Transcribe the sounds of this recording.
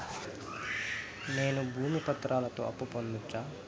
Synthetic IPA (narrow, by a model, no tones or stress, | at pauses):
ne̞ːnubʱuːmipɐt̪ɾaːlɐt̪o̞̰ːɐpːupond̪ut͡ʃːaː